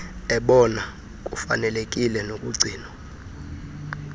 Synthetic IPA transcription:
ɛɓɔna | k̬ʼufa̰nɛlek̬ʼilɛnokʼuɡ͡ǀʱiːnɔ

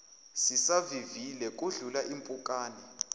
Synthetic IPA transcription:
sisavivilɛk̬ʼuɮulaʔimpʼukʼaːnɛ

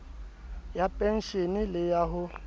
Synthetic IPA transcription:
japʼɛn̩ʃenilɪjaɦʊ

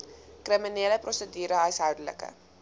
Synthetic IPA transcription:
krimineːləprɔsədyːɾəɦɐjsɦœwdələ̰kə̰

